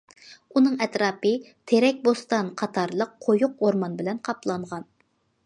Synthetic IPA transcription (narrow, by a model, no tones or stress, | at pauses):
unɨŋɛt̪ɾɑːpɨ | t̪ʰeɾɛk̚ʲbost̪ɑnqʰɑt̪ʰɑɾlˠəqʰːojʊqoɾmɑnbɪlɛnqʰɑplˠɑɴʁɑn